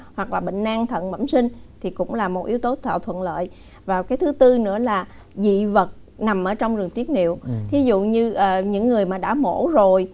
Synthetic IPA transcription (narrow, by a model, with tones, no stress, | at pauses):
hwa˨˩k̚laː˨˩ɓḛ˧˨ŋ̟ʔaː˧ŋt̪ʰə̰˧˨nɓə̰˧˩msï˧ŋ̟t̪ʰi˨˩kʊ̰˧˥ŋ͡mlaː˨˩mo˨˩t̚ʔi˨˧˦əwt̪o˨˦t̪ʰwa̰ː˧˨wt̪ʰwə̰˧˨nlə̰ː˧˨j | vaː˨˩wkaː˨˦jt̪ʰɨ˨˦t̪ɨ˧nɨ̰˧˥əlaː˨˩ | zḭ˧˨və˨˩t̚ | na˨˩mʔəː˧˩t͡ɕɔ˧wŋ͡mzɨ˨˩əŋt̪i˦˥ət̚nḭ˧˨əwt̪ʰi˨˦zṵ˧˨ɲɨ˧ʔəː˨˩ɲɨ̰˧˥ŋːɨ˨˩əjmaː˨˩ɗa̰ː˧˥mo̰˧˥zo˨˩j